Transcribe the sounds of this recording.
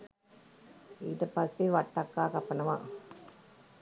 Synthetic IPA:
iðɐpɐsiʋɐʈːakːaːkɐpːɐnɐʋãː

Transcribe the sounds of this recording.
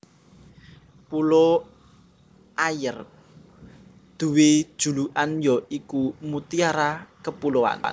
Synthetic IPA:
pulo | ʔajər | d̪̥ṳwe̥ʒ̥ṳluʔanjɔʔikumut̪iaɾakəpuloa̰n̰

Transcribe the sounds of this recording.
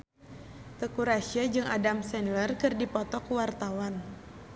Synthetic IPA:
t̪əkuɾasiad͡ʒɨŋadamsɛnlərkɨrdipɔt̪ɔkuwart̪awan

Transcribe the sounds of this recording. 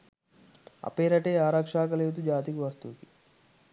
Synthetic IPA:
ɐ̰peːɾɐʈeːaːɾakʂaːkɐleːwt̪̬ud͡ʒaːt̪ikiʋɐst̪uki

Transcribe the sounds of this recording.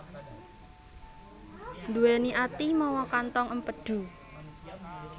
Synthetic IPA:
nd̪uweniʔat̪imɔwɔkant̪ɔŋəmpəɖ̥ṳ

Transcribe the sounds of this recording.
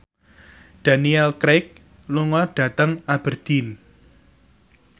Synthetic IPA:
d̪̥a̤niɛlkɾɛk̚ | luŋɔɖ̥ä̤t̪əŋab̥ərd̪̥in

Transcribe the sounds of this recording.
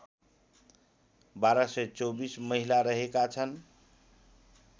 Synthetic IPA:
baɾəsəjt͡sobisməɦilaɾəɦekat͡ʃʰən

